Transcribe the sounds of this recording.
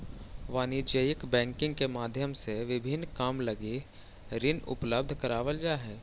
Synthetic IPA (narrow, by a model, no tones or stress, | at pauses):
ʋaːnid͡ʒəjɪkbɛ̃ːŋkɪ̃ŋɡkemaːd̪ʱjəmseʋɪbʱɪnːkaːmlɐɡe | ɾɪnʊ̰pləb̚d̪ʱkɐɾaːʋəlɡaɦɛː